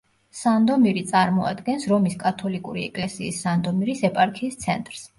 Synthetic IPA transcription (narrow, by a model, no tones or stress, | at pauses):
sand̪ɔmiɾit̪sʼaɾmɔa̰d̪ɡɛnsɾɔmiskʼat̪ʰɔlikʼuɾiɛ̰kʼlɛsiːsːand̪ɔmiɾisɛpʼaɾkʰiːst̪sʰɛnt̪ʼɾs